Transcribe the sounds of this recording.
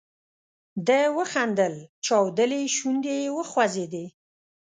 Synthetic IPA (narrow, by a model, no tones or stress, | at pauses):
d̪əwəxand̪əlt͡ʃɑwd̪əleʃund̪ewəxwazed̪e